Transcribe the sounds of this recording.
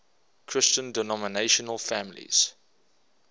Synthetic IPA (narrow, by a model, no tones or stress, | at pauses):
kʰɹ̥ɪst͡ʃə̃ndənɔməneɪʃənəlˠfæmlḭz̥